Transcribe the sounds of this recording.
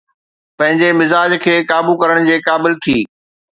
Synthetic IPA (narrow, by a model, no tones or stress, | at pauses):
pɐ̃ɦɪ̃ɲd͡ʑemɪzaːd͡ʑkʰeːkaːbukɐɾəɽ̃d͡ʑeːkaːbɪlt̪ʰiː